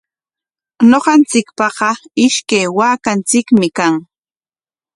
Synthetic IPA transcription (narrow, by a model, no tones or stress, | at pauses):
noɢɑnt͡sɪkpɑɢɑɪʃkajwaːkant͡sɪkmɪkaŋ